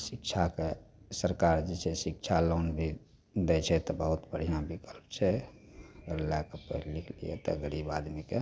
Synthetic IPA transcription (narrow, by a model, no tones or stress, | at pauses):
sikt͡ʃʰakesəɾkaɾd͡ʒesʰesik̚t͡ʃʰalonbʱi | d̪ɛt͡ʃʰɛt̪ɔbəɦut̪bəɽ̤ijãbikəlpt͡ʃʰɛ | ɡəlakepəɦilːikʰlḭḛt̪ɔɡəɾibad̪mike